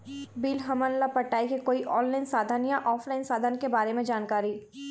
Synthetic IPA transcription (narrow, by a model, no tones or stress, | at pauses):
biːlɦɐmənlapɐʈːaːikekoːiʔɔːnlaɪnsaːd̪ʱənjaʔɔːfʰlaːɪnsaːd̪ʱankebaːɾemẽd͡ʒaːnkaːɾi